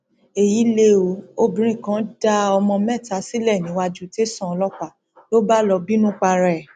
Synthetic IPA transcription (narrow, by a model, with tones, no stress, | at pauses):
e˨ji˨˦le˧˦o˨˦o˧bĩ˨˦ɾ̃ĩ˦˨kã˨˦da˧ɔ˧mɔ̃˧mɛ̃˦˨ta˧˦si˦lɛ˦˨nĩ˨˦wa˧d͡ʒu˦te˦sã˦˨ɔ˧lɔ˦k͡pa˨ | to˦ba˦lɔ˧bi˦nũ˦k͡pa˧ɾɛ˦˨